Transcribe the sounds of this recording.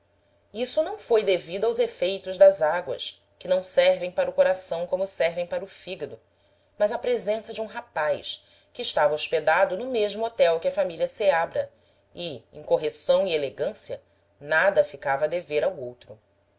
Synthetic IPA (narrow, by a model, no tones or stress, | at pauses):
isʊnɐ̃w̃fojd̪evid̪ʊawzefejt̪ʊʒd̪ɐzaɡwɐ̰s | kɪnɐ̃w̃sɛɾvẽj̃paɾʊkoɾasɐ̃w̃kõmʊsɛɾvẽj̃paɾʊfiɡɐd̪ʊ | mɐzɐpɾezẽsɐd͡ʒɪũɦapajʃ | kɪːʃt̪avɐoʃped̪ad̪ʊnʊmeʒmʊot̪ɛwkɪɐfamiliɐseabɾɐ | ɪḛ̃j̃koɦesɐ̃w̃ieleɡɐ̃siɐ | nad̪ɐfikavɐd̪eveɾawowt̪ɾʊ